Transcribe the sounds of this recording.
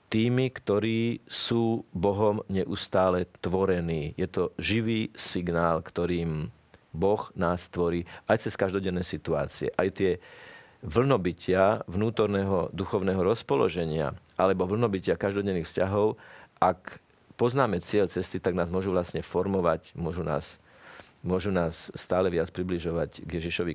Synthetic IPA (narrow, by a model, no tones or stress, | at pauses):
t̪iːmikt̪ɔɾiːsuːbɔɦɔmɲɛʔust̪aːlɛt̪ʋɔɾɛniːjɛt̪ɔʒiʋiːsiɡnaːlkt̪ɔɾiːm | bɔɣnaːst̪ʋɔɾiːajt͡sɛskaʒd̪ɔɟɛnːɛjsit̪ua̰ːt͡siɛ̰ʔajt̪ɪɛ | ʋl̩nɔbicɪaʋnuːt̪ɔɾnɛːɦɔd̪uxɔʊnɛːɦɔɾɔspɔlɔ̰ʒɛɲɪa̰ʔalɛbɔʋl̩nɔbicɪakaʒd̪ɔɟɛnːiːxfscaɦɔʊʔak | pɔznaːmɛt͡sɪɛʎt͡sɛst̪it̪aɡnaːzmʊɔʒuʋlasɲɛfɔɾmɔʋacmʊɔʒuna̰ːs | mʊɔʒunaːsːt̪aːlɛʋɪat͡spɾibliʒɔʋacɡjɛʒiʃɔʋi